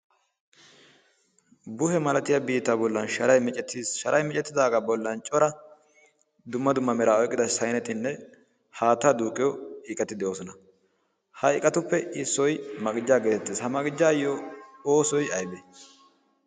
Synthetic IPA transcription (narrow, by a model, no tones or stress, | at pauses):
bʊhɛmɐlɐt̪ɪjɐbiːt̪ːaːbɔlːɐnʃɐɾɐjmɛt͡ʃʼɛt̪ːiːsʃɐɾʔɐjmɛt͡ʃʼɛt̪ːɪd̪aːɡɐbɔlːɐnt͡ʃʼɔɾɐ | d̪ʊmːɐd̪ʊmːɐmɛɾaɔjkʼːɪd̪ɐsɐjnɛt̪ɪnːɛ | haːt̪ːad̪uːkʼːɪjɔɪkʼɐt̪ːɪd̪ɛjoːsɔnɐ | hɐɪkʼɐt̪ʊpːɛɪsːɔjmɐkʼɪd͡ʒːaːɡeːt̪ɛt̪ːiːshɐmɐɡɪd͡ʒːaːjːɔoːsɔjɐjbɛ